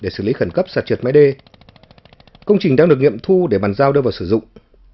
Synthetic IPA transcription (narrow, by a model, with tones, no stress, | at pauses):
ɗe˧˩sɨː˧˩li˨˦xə˧˩nkə˦˥p̚saː˨˩t̚t͡ɕwi˨˩tma˨˦jɗe˧ | kə˧wŋ͡mt͡ɕï˨˩ŋɗaː˧ɗɨ˨˩ək̚ŋḭ˧˨əmt̪ʰu˧ɗe˧˩ɓaː˨˩nzaː˧wɗɨ˧vaː˨˩wsɨ˧˩zʊ̰˧˨ŋ͡m